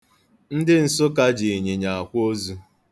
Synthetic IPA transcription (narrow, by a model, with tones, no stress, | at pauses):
n̩˦dɪ˦n̩˨sʊ˦ka˦d͡ʒi˨ɲe˨ɲa˨a˨kʷo˦zu˦